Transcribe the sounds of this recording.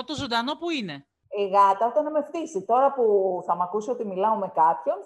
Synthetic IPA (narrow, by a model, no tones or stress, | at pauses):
ot̪ozo̞nd̪ɐno̞puine̞ | iɣɐt̪ɐo̞t̪ɐnɐme̞ft̪isit̪o̞ɾɐpuθɐmɐkusio̞t̪imilɐome̞kɐpço̞n